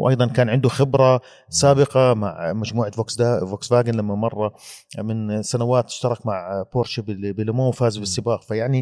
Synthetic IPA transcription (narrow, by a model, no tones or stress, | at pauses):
wʔɑ̰jðˤɑnkaːnʕɪnd̪uxɪbɾˤa | saːbɪqɑma̰ʕmad͡ʒmuːʕavoːksd̪avoksvaːɡɪnlamːamɑrˤːɑmɪnsanawaːt̪ːɪ̥ʃt̪ɑɾˤɑkmaʕpoːɾˤʃɪbɪbɪlmoːwfaːzbɪsːɪbaːqfajaʕni